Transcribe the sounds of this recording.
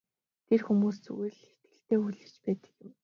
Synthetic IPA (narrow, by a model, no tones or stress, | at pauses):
t̪ʰerxumuːst͡sṵĭɮxet̪̚ɡɘ̆ɬt̪eːuɮɘ̆t͡ɕpæːt̪ə̥̆kjɪ̆m